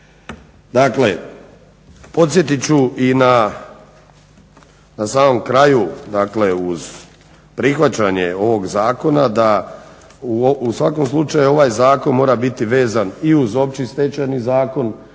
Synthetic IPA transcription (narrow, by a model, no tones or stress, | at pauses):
d̪akle̞ | po̞t̪sʲje̞t̪it͡ɕuʔina | nasaːmo̞mkɾajud̪akle̞uz | pɾixʋat͡ɕaɲe̞o̞ʋo̞ɡzaːko̞nad̪a | uusʋako̞mslˠut͡ʃajuo̞ʋaːjzaːko̞nmo̞ːɾabit̪iʋe̞ːzaniuzo̞p̚t͡ɕist̪e̞t͡ɕanizaːko̞n